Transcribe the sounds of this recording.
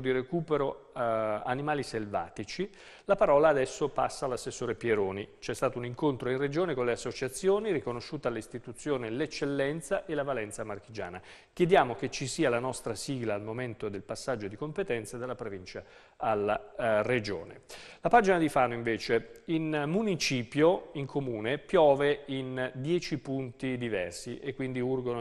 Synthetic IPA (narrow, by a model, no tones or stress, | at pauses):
d̪iɾekuːpeɾo | animaːliselva̰ːt̪it͡ʃi | lapaɾɔːlaːd̪ɛsːopa̰sːaːlasːesːoːɾepjeɾoːnit͡ʃɛst̪aːt̪ouniŋkont̪ɾoinred͡ʒoːnekonleasːot͡ʃat̪sːjoːniɾikonoʃːuːt̪alːist̪it̪ut̪sːjoːnelet͡ʃːelːɛnt̪saʔelavalɛnt̪samark̟id͡ʒa̰ːna | kjed̪jaːmok̟et͡ʃːisiːalanɔst̪ɾasiːɡlaːlmoment̪od̪elpasːad͡ʒːod̪ikompet̪ɛnt̪sad̪elːapɾovint͡ʃa | alːared͡ʒo̰ːnḛlapaːd͡ʒinad̪ifaːnoiɱveːt͡ʃeinmunit͡ʃiːpjoiŋkʰomuːnepjɔːveind̪jɛːt͡ʃipunt̪id̪ivɛrsiʔekːwind̪iurɡono